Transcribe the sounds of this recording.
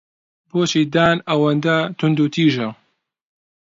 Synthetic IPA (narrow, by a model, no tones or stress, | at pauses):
boːt͡ʃiːd̪aːnɐwɐnd̪ɐt̪ʰʊnd̪ut̪ʰiːʒɐ